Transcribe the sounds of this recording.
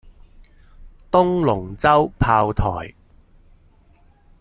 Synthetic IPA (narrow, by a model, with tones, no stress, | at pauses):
t̪ʊ˥ŋlʊ˨˩ŋt͡sɐ˥wpʰaː˧wt̪ʰɔ̰ː˨˩j